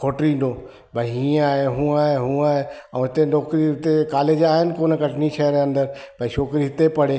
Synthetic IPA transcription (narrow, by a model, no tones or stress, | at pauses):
kʰoːʈɾĩːnd̪oː | bʱɐɦĩːaːɦeɦũːaːɦeɦũːaːɦeɛ̃ɦɪt̪enɔːkɾiɪt̪ekaːleːd͡ʑaːɦɪnɪ̆koːnkɐʈʰniʃɐɦəɾɐ̃nd̪əɾ | bɐiʃoːkɾiɦɪt̪epɐɽ̤e